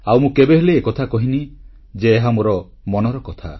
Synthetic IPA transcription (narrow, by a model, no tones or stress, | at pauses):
awmũkebeɦeleːkɔt̪ʰakɔɦini | d͡ʒeːɦamoɾɔ | mɔnɔɾɔkɔt̪ʰa̰